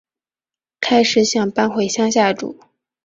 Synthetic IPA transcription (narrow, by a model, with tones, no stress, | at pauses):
kʰa˥ɪʂɻ̩˨˧˥ɕjɑ˨˩ŋpa˥nxwe˨˩ɪɕjɑ˥ŋɕ̬ja˥˩ʈ͡ʂṵ˨˩˦